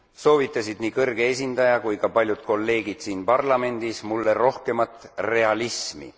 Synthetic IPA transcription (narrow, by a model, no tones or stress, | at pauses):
so̞ːvit̪ːˑɑsid̪̥nikɤrɡ̥ees̬ʲind̪ɑjɑkujkɑpɑlʲjud̪̥̚ko̞lːe̞ːɡid̪̥siːnpɑrlɑme̞nd̪̥ismulːeɾo̞hke̞mɑt̪ːˑre̞ɑlismḭ